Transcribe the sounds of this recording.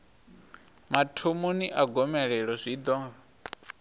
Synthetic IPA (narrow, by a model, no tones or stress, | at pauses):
matʰumuniʔaɡɔmɛɺɛɺɔzʷid̪ɔːŋɡa